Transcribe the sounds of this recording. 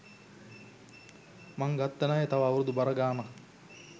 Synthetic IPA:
maŋɡat̪ːənaːjet̪aʋaːwuɾud̪ubaɾəɡaːnɐk

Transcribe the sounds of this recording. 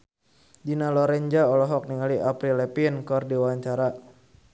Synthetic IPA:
dinalɔɾɛɲd͡ʒaɔlɔɦɔk̚niŋaliʔapɾilɛpinkɔrdiwaɲt͡ʃaɾa

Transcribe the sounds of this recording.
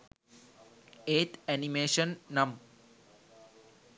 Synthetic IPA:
eːt̪ɛnimeːʃənːɐm

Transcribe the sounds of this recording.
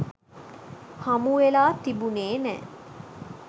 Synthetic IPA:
hamuʋelaːt̪ibuneːnɛ̰

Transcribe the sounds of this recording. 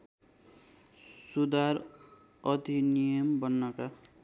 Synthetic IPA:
sud̪aɾ | ʌd̪ʱinijʌmbʌnːʌka

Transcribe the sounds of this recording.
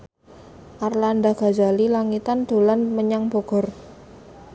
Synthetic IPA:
ʔarland̪aɡ̥a̤d͡ʒalilaŋit̪and̪̥o̤lanməɲaŋb̥o̤ɡ̥ɔ̤r

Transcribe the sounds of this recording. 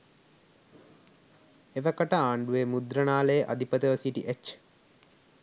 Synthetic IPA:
eʋɐkɐʈɐaːɳɖuemud̪ɾɐnaːləjəʔɐ̰d̪ʱipət̪əʋɐsiʈḭʔet͡ʃː

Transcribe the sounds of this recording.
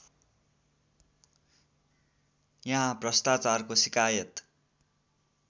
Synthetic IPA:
jʌɦãprʌst̪at͡sarkosikajʌt̪

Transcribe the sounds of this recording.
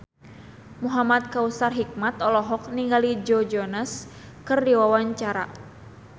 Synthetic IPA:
muɦamat̪̚kausarɦik̚mat̪ɔlɔɦɔk̚niŋɡalid͡ʒɔd͡ʒɔnas | kɨrdiwawaɲt͡ʃaɾa̰

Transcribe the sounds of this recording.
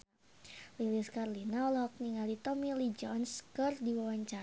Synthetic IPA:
liliskarlinaɔlɔɦɔk̚niŋalit̪ɔmilid͡ʒɔnskɨrdiwawaɲt͡ʃa

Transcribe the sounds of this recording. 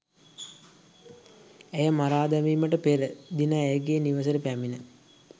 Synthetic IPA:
ejəmaɾaːd̪amiːməʈəpeɾəd̪inəːjəɡeːniʋəsəɾəpæminə

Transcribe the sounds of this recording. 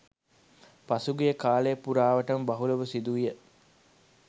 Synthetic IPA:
pɐsuɡijəkaːlejːpuɾaːʋɐʈɐmbɐɦulɐʋəsid̪uʋijə

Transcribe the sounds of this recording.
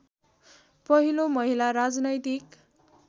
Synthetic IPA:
pʌɦilomʌɦilaɾad͡znʌjt̪ik

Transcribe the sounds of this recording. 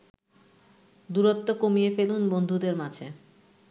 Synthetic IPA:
d̪uɾot̪ːokomijefelunbond̪ʱud̪eɾmat͡ɕʰe

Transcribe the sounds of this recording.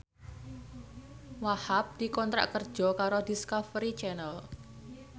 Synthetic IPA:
wahap̚d̪̥i̤kɔnt̪ɾa̰ʔkərd̥ʒ̥ɔ̤kaɾod̪iskafɾit͡ʃɛnəl

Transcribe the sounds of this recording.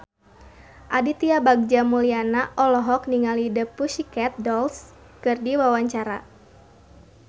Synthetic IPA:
ʔadit̪iabaɡ̚d͡ʒamulianaʔɔlɔɦɔk̚niŋalidəpusikɛt̪̚dɔls | kɨrdiwawaɲt͡ʃaɾa

